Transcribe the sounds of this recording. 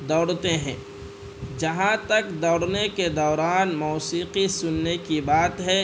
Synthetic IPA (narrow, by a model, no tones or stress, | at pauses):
d̪ɔːɽt̪eɦɛ̃ː | d͡ʒɐɦãt̪ɐkd̪ɔːɽneked̪ɔːɾaːnmuːsiːqisʊnːekibaːt̪ɦɛ